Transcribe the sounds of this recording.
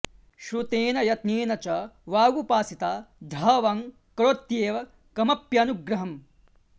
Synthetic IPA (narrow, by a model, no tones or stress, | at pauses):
ʃɾut̪eːnɐjɐt̪neːnɐt͡ʃɐʋaːɡupaːsit̪aːd̪ʱɐʋɐːŋ | kɐɭot̪jeːʋɐ | kɐmɐpjɐnuɡɾɐɦɐm